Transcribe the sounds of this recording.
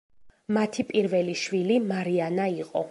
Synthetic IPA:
mat̪ʰipʼiɾvɛliʃwilimaɾianaiqʼɔ

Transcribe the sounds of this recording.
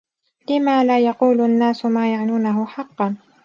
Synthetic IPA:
lɪmaːlaːjɑquːlʊʔanːaːsʊmaːjaʕnuːnaɦʊħɑqːɑn

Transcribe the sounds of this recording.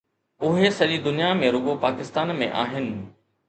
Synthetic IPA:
ʊɦesɐʄid̪ʊnijamẽɾʊɠopaːkɪst̪aːnmḛ̃ʔa̰ːɦɪnɪ̆

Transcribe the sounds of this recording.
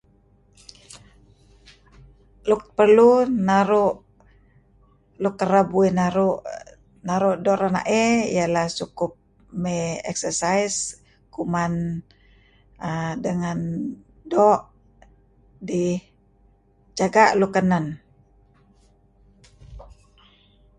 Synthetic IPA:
lupərlunaɾuʔ | lukəɾəbuinaɾuʔ | naɾuʔdɔʔɾana̰ʔɛḭjalahsukʊp̚ | meɛ̰ksəsajs | kuman | ədəŋan | dɔʔ | di | d͡ʒaɡaʔlukənan

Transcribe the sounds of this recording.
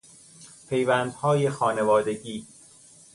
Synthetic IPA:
pʰe̞jvænd̪hɒːjexɒːnevɒːd̪e̞ɟiː

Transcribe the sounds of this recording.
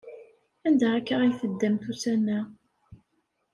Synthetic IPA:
ænd̪æækːəʁijθəd̪ːæmt̪usænːæ

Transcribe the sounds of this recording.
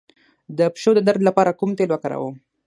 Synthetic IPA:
d̪əpʃod̪əd̪aɾd̪lapɑɾakumt̪elwakaɾa̰wəm

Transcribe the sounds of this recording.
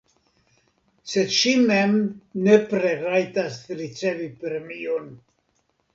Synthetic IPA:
sed̪ʃimemnepɾe̞ɾajt̪asɾit͡se̞vipɾemion

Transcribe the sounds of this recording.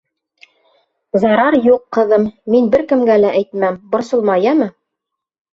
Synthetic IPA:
zɑɾɑɾjuqːɤ̆ðɤmːinbɘɾkɘ̆mɡælæʔæjt̪mæmbŏɾsŏlˠmɑjɑmɤ

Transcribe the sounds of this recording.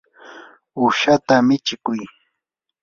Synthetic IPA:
ʊʃat̪amɪt͡ʃɪkʊj

